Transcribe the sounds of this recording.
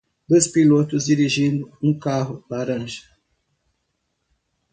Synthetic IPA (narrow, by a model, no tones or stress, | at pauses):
d̪ospilot̪ʊzd͡ʒiɾiʒĩnd̪ʊũkaɦʊlaɾɐ̃ʒɐ̥